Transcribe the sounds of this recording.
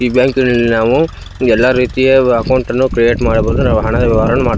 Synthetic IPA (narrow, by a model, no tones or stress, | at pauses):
ibjaːŋkinɐlːinaːʋu | ɛlːaɾiːt̪ijeɐkɐwɳʈɐnːukɾijeːʈmaːɽɐbɐːd̪unaːʋuɦɐɳɐd̪ɐʋɐʋaːɾɐnːumaːɾ